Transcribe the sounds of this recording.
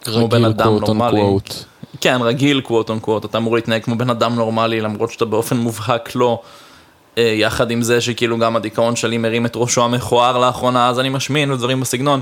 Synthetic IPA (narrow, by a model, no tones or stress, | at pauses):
obenad̪amnommaltkenʁaɡilkwot̪onkvout̪at̪aːmuʁlit̪naeɡ̚kmo̞be̞nad̪amno̞ʁmalilamʁo̞tʃeat̪abeo̞fe̞nmuvɦaklo̞ | ejaχad̪imzeʃekiiluɡamad̪ikao̞nʃelimeʁimet̪ʁo̞ʃoameχoaʁlaaχʁo̞naazanimaʃminbed̪vaʁimbesiɡno̞n